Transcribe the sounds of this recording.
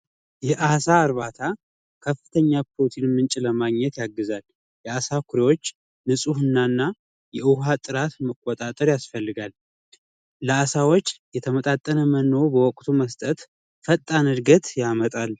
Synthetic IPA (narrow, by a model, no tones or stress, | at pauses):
jɛʔasaːɾβat̪ʰa | kʰəfːɨt̪ʰəɲːapʰot̪ʰinmɨnt͡ʃʼiləmaɡɲɛt̪jaɡːɨzal | jɛasakʰuɾewo̞t͡ʃː | nɨsʼuhɨnːanːa | jɛʔɨɦat̪ʼːɨɾat̪məkʼːot̪ʼat̪ʼəɾjasfəlːɨɡalː | əasawo̞t͡ʃːjɛt̪ʰəmət̪ʼat̪ʼːənəmənːowbəwɔkʼt̪ʰuməst̪ʼət̪ | fət̪ʼːanɨɾɡət̪jamət̪ʼal